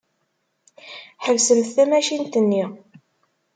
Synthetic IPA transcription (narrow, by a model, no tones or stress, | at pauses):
ħəvsəmθæmæʃint̪ənːi